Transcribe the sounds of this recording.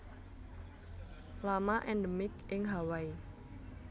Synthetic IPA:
lamaʔɛnɖəmɪk̚ʔɪŋɦawai

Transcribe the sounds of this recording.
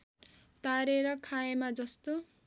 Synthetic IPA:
t̪aɾeɾʌkʰaemad͡zʌst̪o

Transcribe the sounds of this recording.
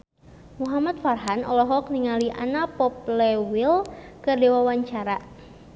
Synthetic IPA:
muɦamat̪̚farɦanɔ̰lɔɦɔk̚niŋaliʔa̰napɔp̚lewɪlkərdewawaɲt͡ʃaɾa

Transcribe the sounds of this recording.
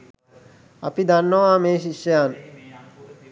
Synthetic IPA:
ɐ̰pid̪anːoʋaːmeːʃiʃːɐjaːn

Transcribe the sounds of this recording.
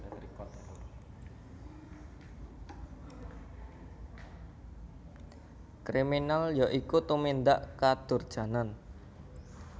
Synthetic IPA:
kɾiminaljaʔikut̪umind̪aʔkad̪̥ʊ̤rd̥ʒ̥ä̤nan

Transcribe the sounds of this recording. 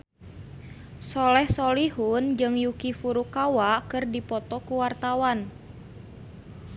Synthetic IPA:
sɔlɛhsɔlihund͡ʒɨŋjukifuɾukawakɨrdipɔt̪ɔkuwart̪awan

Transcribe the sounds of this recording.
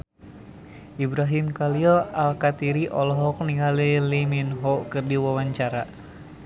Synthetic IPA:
ʔibɾaɦimkaliɔalkat̪iɾiʔɔlɔɦɔk̚niŋaliliminɦɔkɨrdiwawaɲt͡ʃaɾa

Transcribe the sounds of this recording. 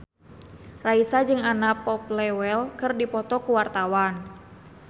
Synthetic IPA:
raisad͡ʒɨŋanapɔp̚lɛwɛlkɨrdipɔt̪ɔkuwart̪awan

